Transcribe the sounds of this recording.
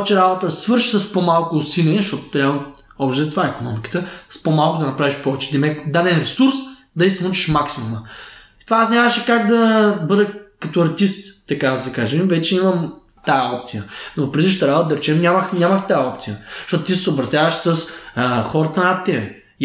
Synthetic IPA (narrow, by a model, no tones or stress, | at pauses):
t͡ʃɛɾabot̪əsvɤɾʃi̥səspomalˠkʊsilʲɛʃt̪ɔt̪ʊ̥t̪ɾʲab | ɔbʃt̪ɛɛt̪vaɛikonɔmikə̥t̪əspomalˠkʊd̪ɐnɐpɾaviʃpɔvɛt͡ʃɛd̪ɐmɛd̪ad̪ɛnɾɛsuɾs | d̪ɐisnut͡ʃi̥ʃmaksimumə | it̪vaːsnʲavɐʃɛkaɡd̪ɐbɤd̪əkɐt̪oɐɾt̪ist̪ːɐkad̪ɐsɛkaʒemvɛt͡ʃɛiməm | t̪ajɐɔp̚t̪sijənopɾɛd̪iʃt̪ɐɾabot̪əd̪ɐɾɛt͡ʃɛmnʲaməxnʲaməxt̪ajəɔp̚t̪sijəʃt̪ɔt̪ʊt̪isɛsoːbɾɐzʲjavɐʃsəsxɔɾət̪ənɐt̪ːɛbɛ